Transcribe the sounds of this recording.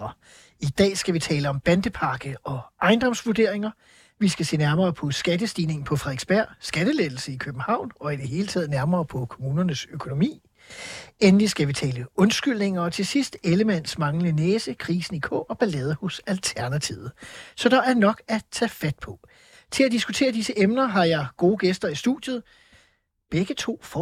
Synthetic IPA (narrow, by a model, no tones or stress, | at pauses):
ɐ | id̥ɛ̰ːsɡ̥æʋit͡sʰɛːləɒ̽mb̥ænd̥əpʰɑ̈ɡ̥əɒ̽ɑ̈ɪnd̥ɒ̽m̰sʋuɐd̥e̝ɐ̰e̝ŋɐ | ʋisɡ̥æse̝̰ːnæɐmɐːpʰɒ̽sɡ̥æd̥əsd̥iːne̝ŋn̩pʰɒ̽fʁɑeɡ̥sb̥æɐ̰sɡ̥æd̥əleðˠl̩səikʰøb̥̚n̩hɑ̈ʊ̰nɒ̽id̥e̝ɦe̝ːlət͡sʰɛ̰ːð̞ˠnæɐmɐːpʰɒ̽kʰo̝muːnɐnəsøkʰo̝no̝mḭː | enlisɡ̥æʋit͡sʰɛːləɔ̽nsɡ̥yl̰ne̝ŋɐɒ̽t͡sʰe̝sisd̥eləmæn̰smɑ̈ŋləneːsəkʰʁiːsn̩ikʰɔ̰ɒ̽b̥ælɛːð̞ˠɐhɔsælt͡sʰæɐnæt͡sʰḭʊð̩ˠsɒ̽d̥ɑ̈æɐnɒ̽ɡ̥æt͡sʰɛ̰fæd̥̚pʰɒ̽ | t͡sʰe̝læd̥isɡ̥ut͡sʰe̝̰ːɐd̥isəʔemnɐɦɑ̈jɑ̈ɪɡ̥o̝ːɡ̥esd̥ɐisd̥ṵd̥jð̞̩ˠ | b̥eɡ̥ət͡sʰo̝̰ːfɒ